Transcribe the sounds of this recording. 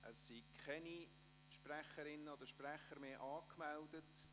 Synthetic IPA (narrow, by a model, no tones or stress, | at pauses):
ʔəssikʰχɛni | ʃpræχəɾɪnːəod̪əʃprɛχəɾmeːʔɑːkmɛldət